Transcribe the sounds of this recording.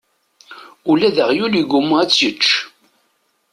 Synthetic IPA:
ulæðəʁjuliɡumæt͡sːət͡ʃː

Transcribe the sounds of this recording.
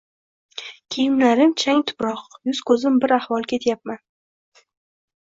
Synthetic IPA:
kʲʰejɪmlaɾɪmt͡ʃʰaŋt̪ʰʊ̥pɾɒqjʊzkʰɵzɪmbɪɾahvɒlˠkʲʰet̪ʰjap̚man

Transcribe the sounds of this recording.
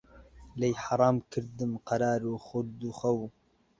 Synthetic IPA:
lejħɑɾˤɑːmkʰɨɾd̪ɨmqɑɾɑːɾuxʊd̪uxɐw

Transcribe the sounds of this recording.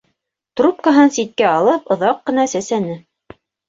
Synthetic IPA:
t̪rup̚kaɦɤnsit̪̚kæɑlˠɤpŏðɑqːɤ̆nɑsæsænɘ

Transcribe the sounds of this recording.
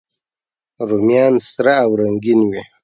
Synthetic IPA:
ɾumjɑːnsɾaːwɾaŋɡinwi

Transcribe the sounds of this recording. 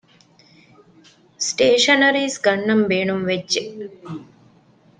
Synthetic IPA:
sʈeːʃɐnɐɾiːsɡɐɳːɐmbeːɳumʋedʒe

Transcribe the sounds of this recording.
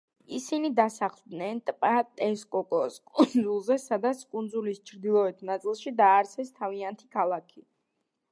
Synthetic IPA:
isinid̪asaχlˠd̪nɛnt̪ʼpʼat̪ʼɛskʼɔkʼɔskʼund̪zulˠzɛsad̪at̪sʰkʼund̪zulist͡ʃʰɾd̪ilˠɔɛt̪ʰnat̪sʼilˠʃid̪aːɾt̪sʰɛst̪ʰaviant̪ʰi̥kʰalˠakʰi

